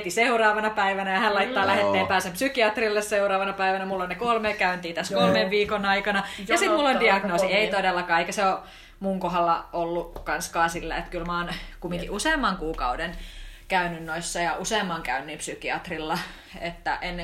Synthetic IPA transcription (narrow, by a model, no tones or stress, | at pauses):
t̪iseurɑːʋɑnɑpæiʋænæjɑhænlɑit̪ːɑːlæhet̪ːeːmpæːsempsykiɑt̪rilːesseurɑːʋɑnɑpæiʋænæmulːonnekolmeːkæynt̪iːt̪æskolmeʋʋiːkonɑikɑnɑjɑsit̪mulːondiɑɡnoːssieit̪odelːɑkɑːeikæseo | muŋkoɦɑlːɑolːukɑnskɑːsilːæ̰ḛt̪kylmɑːnkumːiŋkiʔuseːmːɑŋkuːkɑudenkæynynnoisːɑjɑʔuseˑːmːɑŋkæynːiːmpsykiɑt̪rilːɑ | et̪ːæ̰ʔenː